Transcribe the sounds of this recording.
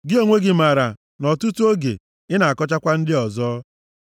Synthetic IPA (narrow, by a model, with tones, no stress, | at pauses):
ɡɪ˦o˦ŋʷe˦ɡɪ˨ma˨ɾa˨ | nɔ˨tu˦tu˦o˦ɡḛ˨ | ɪ˦na˨a˨kɔ˦t͡ʃa˦kʷa˦n̩˦dɪ˦ɔ˨zɔː˦